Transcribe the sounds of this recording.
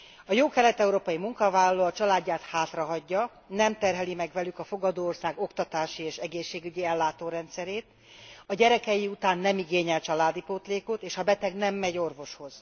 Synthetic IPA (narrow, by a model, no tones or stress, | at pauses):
ɒjoːkɛlɛt̪ɛuɾoːpɒjimuŋkɒvaːlɒloːɒt͡ʃɒlaːɟːaːt̪haːt̪rɒɦɒɟːɒ | nɛmt̪ɛrɦɛlimɛɡvɛlykɒfo̞ɡɒd̪oːorsaːɡo̞kt̪ɒt̪aːʃieːʃɛɡeːʃːeːɡyɟiɛlːaːt̪oːɾɛnt̪sɛɾeːt̪ | ɒɟɛɾɛkɛjiut̪aːnːɛmiɡeːɲɛlt͡ʃɒlaːd̪ipoːt̪leːkot̪eːʃɒbɛt̪ɛɡnɛmːɛɟo̞rvo̞ʃho̞z̥